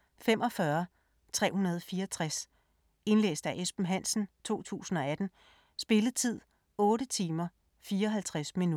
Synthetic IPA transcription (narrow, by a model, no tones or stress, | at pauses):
femʔɒ̽fɶɐ | t͡sʰʁɛ̰ːhunɐð̞ˠfiːɐt͡sʰʁas | e̝nlḛːsd̥æʔesb̥n̩ɦæn̰sn̩t͡sʰo̝̰ːt͡sʰṵːsn̩ɒ̽æd̥n̩ | sb̥e̝ləð̩ˠt͡sʰið̞̰ˠ | ɔ̽ːɾət͡sʰiːmɐ | fiːɐɒɦælt͡sʰʁasminu